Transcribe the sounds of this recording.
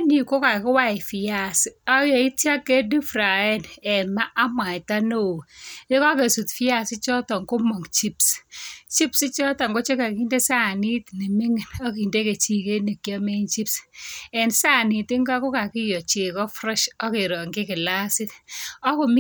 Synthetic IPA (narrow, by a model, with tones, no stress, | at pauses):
ni˨ko˦ka˨kɪ˦wa˦ɪ˨fɪ˨ja˦˨si˦ɔ˦jɔ˨i˦tja˦kːe˦di˦fɾa˨ɛ˦nɛ˨ma˦ʔa˦mwa˨ɪ˨ta˦no˦˨e˦ka˦ke˨su˨tfi˦a˦sɪ˦t͡ʃɔ˦tɔ˨ŋɡo˦mɔ˨ŋt͡ʃi˦pst͡ʃi˦psi˦t͡ʃɔ˦tɔ˨ŋɡo˦t͡ʃe˦ka˨ki˦nde˦sa˦˨ni˦tni˨mi˦ŋi˨nɔ˦ki˨nde˦ke˨t͡ʃi˦ke˦ne˨kja˦me˦nt͡ʃi˦psɛ˨nsa˦˨ni˨tɪ˦ŋɡa˦ko˦ka˨kɪ˦jɔ˨t͡ʃe˨kɔ˦fɾɛ˦ʃɔ˦ke˨ɾɔ˨ŋɡɪ˦kɪ˨la˦sɪ˦tɔ˦ko˨m˦